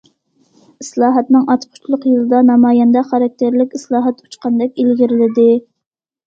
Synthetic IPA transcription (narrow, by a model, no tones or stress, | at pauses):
islˠɑːɦɑt̪nɨŋɑt̪qʰʊ̥t͡ʃʰlˠʊqjɨlˠɨd̪ɑnɑmɑːjɑnd̪ɑχɑɾɑk̚ʲt̪ʰeɾlɪkʲislˠɑːɦɑt̪u̥t͡ʃqɑnd̪ɛkʲilɡʲiɾɪlɪd̪ɪ